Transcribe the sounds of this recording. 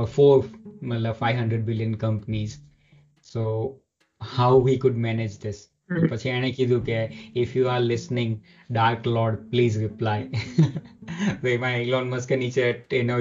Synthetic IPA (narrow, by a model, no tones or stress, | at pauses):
foːɾmɐt̪ləbfaɪʋɦɐ̃ɳɖɾəɖ̚bɪljənkɐ̃mpniz | soː | haʊɦiːkʊɖmɛnɪd͡ʒd̪ɪs | opɐt͡ʃʰiɛ̃ɽ̃ẽkid̪ʱũkeɪfjuaɾlɪsnɪ̃ŋɡ | ɖaːɾklɔːɾɖpliːzɾɪplaɪ | somaɪlɔ̃ːnmɐskənit͡ʃeʈɪno